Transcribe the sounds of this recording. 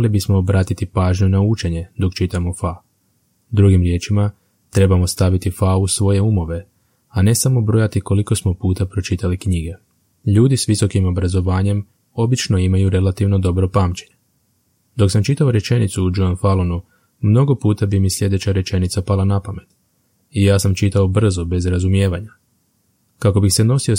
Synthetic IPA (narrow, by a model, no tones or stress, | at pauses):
libismo̞ːbɾaːt̪it̪ipaːʒɲunaut͡ʃe̞ɲe̞d̪o̞kt͡ʃit̪amofa | d̪ɾuɡimɾje̞ːt͡ʃima | t̪ɾe̞bamo̞st̪aʋit̪ifausʋo̞je̞umo̞ʋe̞ | ane̞samo̞bɾojat̪iko̞liko̞smo̞puːt̪apɾo̞t͡ʃit̪alikɲiɡe̞ | ʎuːd̪isʋiso̞kimo̞bɾazo̞ʋaːɲe̞m | o̞bit͡ʃno̞imajuɾe̞lat̪iʋno̞d̪o̞bɾo̞paːmt͡ʃe̞ɲe | d̪o̞ksamt͡ʃit̪ao̞ɾe̞t͡ʃe̞nit̪suːd͡ʒonfalonu | mno̞ɡo̞puːt̪abimislʎʲe̞d̪et͡ɕaɾet͡ʃe̞nit̪sapalˠanapame̞t̪ | ijaːsamt͡ʃit̪ao̞br̩zo̞be̞zɾazumje̞ːʋaɲa | kako̞bixse̞no̞sio̞